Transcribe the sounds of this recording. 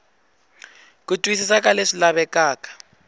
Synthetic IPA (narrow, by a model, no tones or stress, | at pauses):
kutʼwisisakʼaleʂilaβɛkaːkḁ